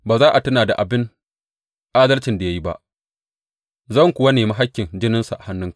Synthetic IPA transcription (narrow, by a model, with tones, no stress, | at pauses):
baː˨zaː˦ʔa˨tɐ˦naː˨da˨ʔa˨bɪ˦n | ʔaː˦dɐ˦lt͡ʃɪ˨nda˨ja˦ji˦ba̰˦ʔ | zɐ˦ŋkʷʊ˨wɐ˦neː˨ma˦ɦa˦kʲːɪ˨nd͡ʒɪ˦nɪ˦nsa˨ʔa˨ha˦nːʊ˦ŋk